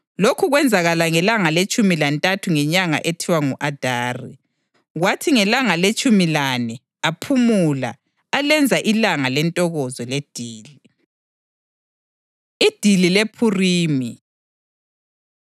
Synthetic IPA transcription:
lokʰuɣwɛnd͡zʱaɣalaŋɛlaŋalet͡ʃʼumilantʼatʰuŋɛɲaŋa̰ʔetʰiwaŋuʔad̥ʱaːrḭ | ɣwatʰiŋɛlaŋalet͡ʃʼumilanɛ | apʰumula̰ː | lɛnd͡zʱaʔilaŋalɛntʼɔɣɔzɔled̥ʱiːli | id̥ʱililepʰuriːmi

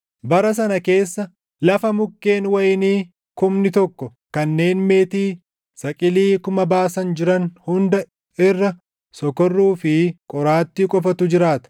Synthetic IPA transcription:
bɐɾɐs̬ɐnɐke̞ːsːɐ | lɐfɐmʊkːe̞ːnwɐjɪniː | kʊmnɪt̪ɔkːɔ | kɐnːe̞ːnme̞ːt̪iː | sɐkʼɪliːkʊmɐbaːsɐnd͡ʒɪɾɐnhʊnd̪ɐ | ɪrːɐ | sɔkɔrːuːfɪkʼɔɾaːt̪ːɪkʼɔfɐt̪ʊd͡ʒɪɾaːt̪ɐ̥

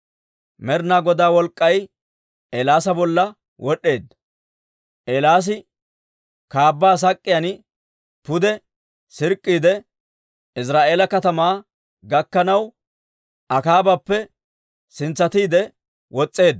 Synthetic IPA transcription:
mɛɾnaːɡɔd̪aːwɔlkʼːɐj | ʔɛlaːsɐbɔlːɐ | wʔɔɗːe̞ːd̪ɐ | ʔelaːs̬ɪ | kaːbːaːs̬ɐkʼːɪjan | pʊd̪ɛ | sɪɾkʼːiːd̪ɛ | ɪs̬ɾaːʔeːlɐkɐt̪ɐmaː | ɡɐkːɐnɐw | ʔɐkaːbɐpːɛ | sɪnt͡sːɐt̪iːd̪ɛ | wɔt͡sʼːe̞ːd̪

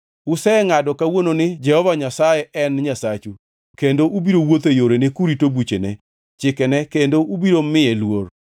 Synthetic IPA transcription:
ʊsɛŋadɔkawononɪd͡ʒɛhɔvaɲasajɛʔɛnɲasat͡ʃu | kendoʔubiɾowot̪ejoɾenekuɾitobut͡ʃenɛ | t͡ʃɪkɛnɛkendoʔubiɾomɪjelwor

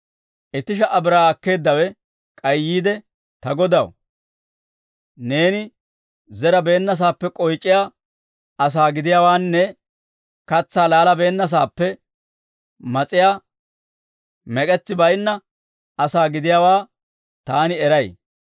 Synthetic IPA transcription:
ʔɛt̪ɪʃ̬ɐʔɐbɪɾaːɐkːe̞ːd̪ːɐwɛ | kʼɐjjːiːd̪ɛ | t̪ɐɡɔd̪ɐ̰w | ne̞ːnɪ | zɛɾɐbe̞ːnːɐs̬aːpːɛkʼɔjt͡ʃʼːɪjaː | ɐs̬aːɡɪd̪ɪjaːwaːnːɛ | kɐt͡sːaːlaːlɐbe̞ːnːɐs̬aːpːɛ | mɐt͡sʼɪjaː | mɛkʼɛt͡sːɪbɐjnːɐ | ɐsaːɡɪd̪ɪjaːwaː | t̪aːnɪɛɾɐj

